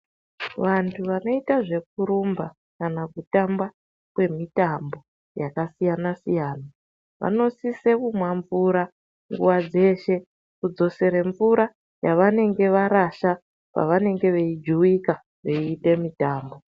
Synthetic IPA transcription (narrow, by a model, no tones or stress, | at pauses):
ʋantʰuʋano̞itaʐe̞k̚uɾumba | kanakutamba | kwe̞mitambo̞ | jakasijanasijaːna | ʋa̰no̞sisekumwaɱvuɾa | ŋɡuʋad͡ze̞ʃe̞ | kud͡zo̞se̞ɾe̞ɱvuɾa | jaʋane̞ŋɡe̞ʋaɾaʃa | pa̰ʋane̞ŋɡe̞ʋe̞id͡ʒuwika | ʋe̞iːte̞mitaːmbo̞